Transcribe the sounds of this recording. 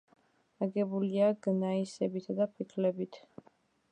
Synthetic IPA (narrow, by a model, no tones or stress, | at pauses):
aɡɛbuliaɡnaisɛbit̪ʰd̪apʰikʰlɛbit̪ʰ